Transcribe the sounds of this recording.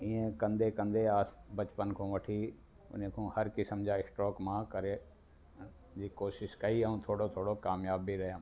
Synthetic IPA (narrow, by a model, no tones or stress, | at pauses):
ĩːẽkɐ̃nd̪ekɐ̃nd̪eaːsbɐt͡ɕpənkʰõːʋɐʈʰi | ʊ̰n̤ẽkʰõːhɐɾkisɐmd͡ʑʱaɪsʈɔːkmãkɐɾe | d͡ʑiːkoːʃɪʃkɐiɐɦũt̪ʰoːɽot̪ʰoːɽokaːmjaːbːiɾɐɦijãː